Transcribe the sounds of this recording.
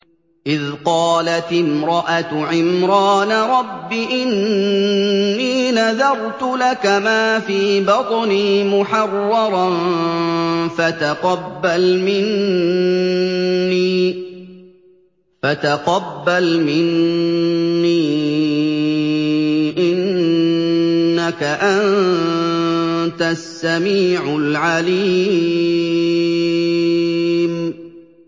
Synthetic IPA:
ʔɪðqɑːlat̪ɪmɾɑʔat̪ʕɪmɾɑːnaɾˤɑbːiʔɪn | iːnaðɑɾˤt̪ʊlakamaːfiːbɑt̪ˤniːmʊħɑrˤːɑɾˤɑn | fat̪aqɑbːalmɪn | iː | fat̪aqɑbːalmɪnː | iː | ʔɪn | akaʔann | t̪asːamiːʕʊlʕaliː | m

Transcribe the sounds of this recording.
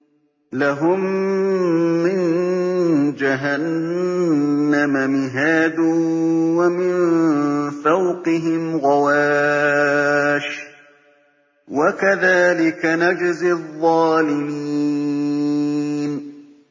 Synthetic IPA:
laɦʊm | ɪn | d͡ʒaɦan | amamɪɦaːd̪ʊwamɪn | fawqɪɦɪmɣawaː | ʃ | wakaðaːlɪkanad͡ʒzɪðˤːɑːlɪmiː | n

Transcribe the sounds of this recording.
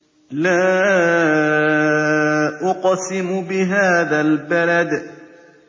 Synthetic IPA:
laː | ʔʊqsɪmʊbɪɦaːðalbalad̪

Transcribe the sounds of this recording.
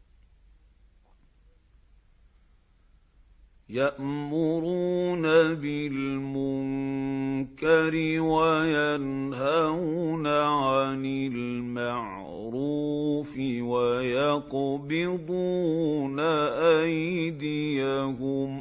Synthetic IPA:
jaʔmʊɾuːnabɪlmʊŋ | kaɾɪwajanhanaʕanɪlmaʕ | ɾuːfɪwajɑqbɪd̪ˤuːnaʔajd̪ɪjahʊm

